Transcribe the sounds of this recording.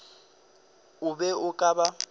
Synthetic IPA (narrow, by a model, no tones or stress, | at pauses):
ʊbɛʊkʼaba